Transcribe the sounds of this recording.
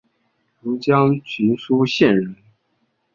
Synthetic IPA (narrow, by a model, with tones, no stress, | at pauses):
lu˧˥t͡ɕjɑ˥ŋt͡ɕʰy˧˥nʂu˥ɕjɛ˥˩nɻə˧˥n